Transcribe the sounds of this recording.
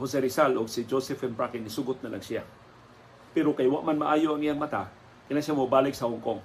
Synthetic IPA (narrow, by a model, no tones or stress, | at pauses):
hos̬ɛɾɪsaloɡsɪd͡ʒosɛfɛmbɾakɪnɪsuɡʊt̪nɐlʔa̰ŋsɪja̰ | pɛɾokajwa̰ʔmanmaʔaːjoɐŋɪjaŋmɐt̪a | kɪnaʃjamobaːlɪk̚sɐhoŋkoŋ